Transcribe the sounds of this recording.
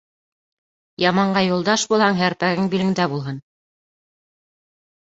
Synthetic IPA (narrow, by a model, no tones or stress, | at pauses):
jɑmɑɴɢɑjulˠd̪ɑʃbulˠhɑŋɦæɾpæɡɘŋbilɘ̆ŋd̪æbulˠɦɤn